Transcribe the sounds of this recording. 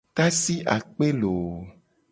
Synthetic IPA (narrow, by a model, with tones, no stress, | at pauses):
ka˦si˦ʔa̰˨k͡pe˦lo˨